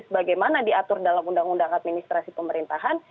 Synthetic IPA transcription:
səbaɡajmanadiat̪ʊrdalamundaŋundaŋat̪̚minist̪ɾasipəməɾint̪aɦan

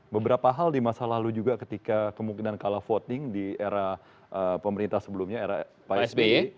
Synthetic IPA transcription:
bəbəɾapaɦaldimasalalud͡ʒuɡakət̪ikakəmuŋkinankalafot̪ɪŋdieɾa | ʔəpəməɾint̪ahsəbəlumɲaeɾa | pasbe

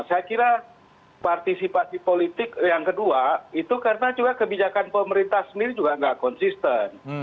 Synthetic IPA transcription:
sajakiɾa | part̪isipasipolit̪ɪkjaŋkəduait̪ukarənad͡ʒuɡakəbid͡ʒakanpəməɾint̪ahsəndiɾid͡ʒuɡaŋɡaʔkɔnsist̪ən

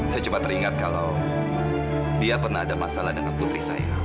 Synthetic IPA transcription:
sajat͡ʃupat̪ːəɾiŋat̪̚kalaw | diapərnahadamasalahdəŋanput̪ɾihsa̰ja̰

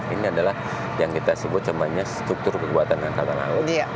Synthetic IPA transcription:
iniadalah | jaŋkit̪asəbʊt̪̚t͡ʃəmaɲast̪ɾʊk̚t̪ʊrkəɡuat̪anŋankat̪ala̰ʊa

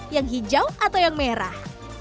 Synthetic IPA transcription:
jaŋɦid͡ʒawʔat̪awjaŋmeɾa̰h

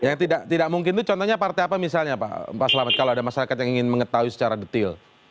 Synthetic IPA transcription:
jaŋt̪idaʔt̪idaʔ̚muŋkɪnt̪ut͡ʃɔnt̪ɔɲapart̪eapamis̬alɲapa̰ʔpaʔsəlamat̪̚kaloadamaʃaɾakat̪̚jaŋiŋɪnməŋət̪auisə̥t͡ʃaɾadət̪ɪl

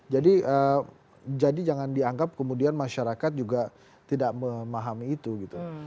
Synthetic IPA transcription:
d͡ʒadiə | d͡ʒadid͡ʒaŋandiaŋɡap̚kəmudianmaʃaɾakat̪̚d͡ʒuɡa | t̪idaʔməmaɦamiːt̪uɡit̪u

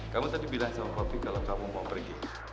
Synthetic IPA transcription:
kamut̪adibilaŋsamapapikalakamumaapərɡi

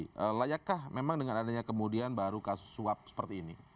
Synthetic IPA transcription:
ʔəlajakːahmemaŋdəŋanadaɲakəmudianbaɾukasʊ̥sːuap̚sə̥pərt̪iːni

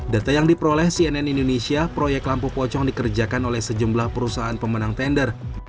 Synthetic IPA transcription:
dat̪ajaŋdipəɾolɛhsiɛnɛnindonesiapɾojɛk̚t̪lampupɔt͡ʃɔŋdikərd͡ʒakanolɛhsəd͡ʒumblahpəɾusaɦaːnpəmənaŋt̪ɛndər

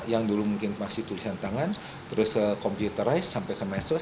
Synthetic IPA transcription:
jaŋdulumuŋkɪnmasɪht̪ulisant̪aŋan | t̪əɾʊsəkɔmpjut̪əɾajsːampɛkəmasʊ

